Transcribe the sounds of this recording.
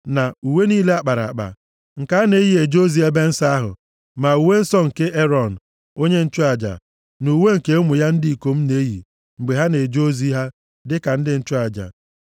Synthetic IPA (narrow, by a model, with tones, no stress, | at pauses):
na˨u˨we˦niː˦le˦a˨k͡pa˨ɾa̰˨k͡pa̰˨ | ŋ̩˨ka˦ne˨˦ji˦e˨d͡ʒo˦zi˨˦e˦be˦n̩˦sa˦ɦʊ̰˨ | ma˨u˨we˦n̩˦sɔ˦ŋ̩˨ke˦ʔe˦ɾɔ˨n̩˨ | o˦ɲe˦n̩˦t͡ʃʊ˦a˨d͡ʒa̰˨ | nu˨we˦ŋ̩˨ke˦mʊ˨ja˦n̩˦di˦i˨ko˨m̩˦ne˦jḭ˨ | ŋ͡m̩˨ɡ͡be˨ɦa˦ne˨d͡ʒo˦zi˦ɦa˦ | dɪ˦ka˨n̩˦dɪ˦n̩˦t͡ʃʊ˦a˨d͡ʒa̰˨